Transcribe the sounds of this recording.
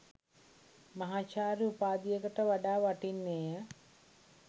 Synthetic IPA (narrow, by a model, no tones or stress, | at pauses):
mɐɦaːt͡ʃaːɾiupaːd̪ijəkəʈəʋaɖaːʋaʈinːeːjə